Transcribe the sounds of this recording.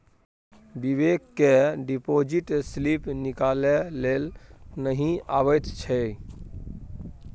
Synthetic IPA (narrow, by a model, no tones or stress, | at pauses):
bibekːeɖipod͡ʒiʈslipnikalelelnəɦĩaβət̪t͡ʃʰɛ